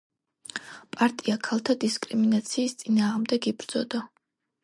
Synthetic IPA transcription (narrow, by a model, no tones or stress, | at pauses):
pʼaɾt̪ʼiakʰalˠt̪ʰad̪iskʼɾiminat̪sʰiːst̪sʼinaːʁmd̪ɛɡibɾd̪z̥ɔd̪a